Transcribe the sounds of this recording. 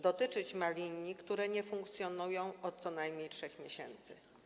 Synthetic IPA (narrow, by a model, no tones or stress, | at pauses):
d̪ɔt̪ɘt͡ʂɘt͡ɕmalʲiɲːikt̪uɾɛɲɛfuŋk̚t̪sʲjɔnujɔ̃w̃ɔt̪̚sɔnajmʲɲejtʂɛxmʲjeɕɛ̰nt̪sɘ̰